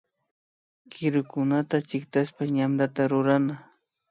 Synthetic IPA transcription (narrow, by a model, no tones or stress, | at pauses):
kɪɾʊkʊnat̪at͡ʃɪkt̪aspaɲamɾat̪aɾʊɾana